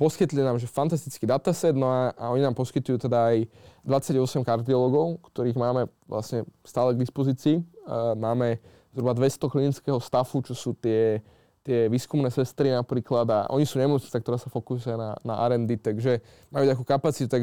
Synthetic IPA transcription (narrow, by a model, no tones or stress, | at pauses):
pɔskit̪linaːmʒɛfant̪as̬t̪it͡skid̪at̪asɛd̪nɔaa̰ɔɲinaːmpɔskit̪ujuːt̪ɛd̪aːjd̪ʋat͡sːaɟɔsɛmkaɾd̪iɔlɔɡɔʊkt̪ɔɾiːɣmaːmɛ | ʋla̰sɲɛst̪aːlɛɡd̪ispɔziːt͡siːmaːmɛ | zɦɾubad̪ʋɛst̪ɔklinit͡skɛːɦɔst̪afut͡ʃɔsuːt̪ɪɛ | t̪ɪɛʋiːskumnɛːsɛst̪ɾinapɾiːklad̪a̰ʔɔ̰ɲisuːɲɛmɔt͡sɲi̥t͡sakt̪ɔɾaːsafɔkusujana̰na̰ʔa̰ɾɛnd̪it̪aɡʒɛ | majuːt̪akukapat͡sit̪ut̪aɡ